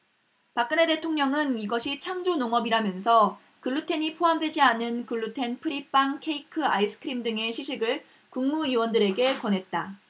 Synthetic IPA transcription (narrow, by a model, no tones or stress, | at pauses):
pak͈ɯne̞de̞tʰoŋɲʌŋɯniɡʌɕʰit͡ɕʰaŋd͡ʑonoŋʌbiɾamjʌnsʰʌ | kɯɭːutʰe̞ɲipʰoɦamdwe̞d͡ʑianɯnkɯɭːutʰe̞npʰɯɾip͈aŋkʰe̞ikʰɯais͈ʰɯ̥kʰɯɾimdɯŋe̞ɕʰiɕʰiɡɯɭ | kuŋmuiwʌndɯɾe̞ɡe̞kwʌnɦe̞t̚t͈a